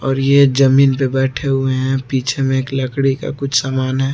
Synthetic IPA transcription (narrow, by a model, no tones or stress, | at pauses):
ɔːɾjed͡ʒəmiːnpebɛːʈʰeɦʊeɦɛ̃piːt͡ʃʰemẽeːkləkɽika̰kʊt͡ʃʰsaːmaːnɦɛː